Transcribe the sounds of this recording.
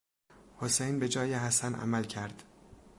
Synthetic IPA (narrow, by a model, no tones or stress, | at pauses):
hosejnbe̞d͡ʒɒːjeɦæsænʔæ̰mælcʰæɾd̪̥